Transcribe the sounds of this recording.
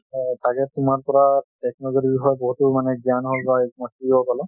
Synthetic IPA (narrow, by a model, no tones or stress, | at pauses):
taɡɛtʊmaɹpɔɹatɛknɔɡoɾibixɔjbɔɦutumanɛɡjanɦolbaɛmɔsiolkɔlɔ